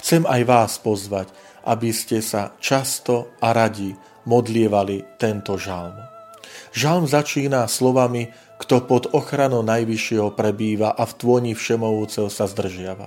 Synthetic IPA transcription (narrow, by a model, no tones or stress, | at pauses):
xt͡sɛmajʋaːspɔzʋac | ʔabiscɛsat͡ʃast̪ɔaɾaɟi | mɔd̪lɪɛʋalit̪ɛnt̪ɔʒalm | ʒalmzat͡ʃiːnaslɔʋami | kt̪ɔpɔd̪ɔxɾanɔʊnajʋiʃɪɛɦɔpɾɛbiːʋaʔaft̪ʋʊɔɲifʃɛmɔɦuːt͡sɛʊsazd̪r̩ʒɪaʋa̰